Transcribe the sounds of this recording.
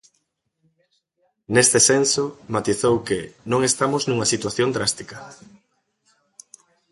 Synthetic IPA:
nest̪ɪsensʊmat̪iθowkɪnõŋest̪amʊznũŋɐsit̪waθjõnd̪ɾast̪ikɐ

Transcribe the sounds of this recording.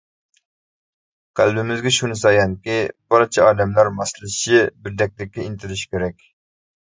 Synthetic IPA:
qʰælbɪmɪzɡʲɛʃunɨsɑjɑnkʲibɑɾt͡ʃʰɛɑːd̪ɛmlæɾmɑslˠɨʃɪbɪɾd̪ɛk̚ʲd̪ɪk̚ʲːɛint̪ʰɪɾɪʃkʲʰeɾɛkʲ

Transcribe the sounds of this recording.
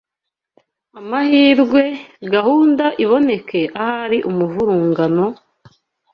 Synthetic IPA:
amahiːɾɡwe̞ɡahuːndaʔiβo̞ne̞ke̞ʔahaɾiʔumuvuɾuːŋɡano̞

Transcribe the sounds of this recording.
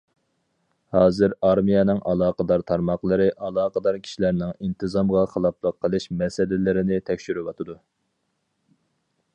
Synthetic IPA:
hɑːzɨɾɑɾmijɛnɨŋʔɑlˠɑːqəd̪ɑɾt̪ʰɑɾmɑqlˠəɾɨʔɑlˠɑːqəd̪ɑɾkʲʰi̥ʃilæɾnɪŋint̪ʰɨzɑmʁɑχəlˠɑplˠəqʰːəlˠɨʃmɛsɪlɪlɪɾɪnɪt̪ʰɛkʲʃyɾywɑt̪ʰɨd̪u

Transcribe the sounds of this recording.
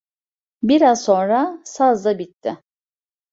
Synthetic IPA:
biɾazso̞nɾasazd̪abit̪ʰːɪ

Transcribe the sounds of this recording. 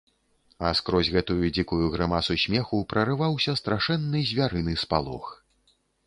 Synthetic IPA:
ɐskɾɔzʲɣɛt̪ujud͡zʲikujuɣɾɨmasusʲmʲɛxupɾɐɾɨvawsʲɐst̪ɾaʂɛnːɨzʲvʲaɾɨnɨspalˠɔ̰x

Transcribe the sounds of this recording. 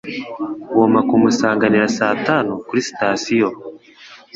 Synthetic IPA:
womakumusaːŋɡaniɾasaːtanukuɾisi̥taːsijo

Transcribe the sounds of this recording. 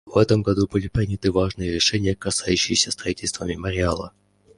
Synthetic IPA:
vɛt̪əmɡɐd̪ubɨlʲɪpɾʲinʲɪt̪ɨvaʐnɨjəɾʲɪʂɛnʲɪjəkɐsajʉɕːɪjɪsʲəst̪ɾrɐitʲɪlʲst̪vəmʲɪməɾʲɪalˠə̰

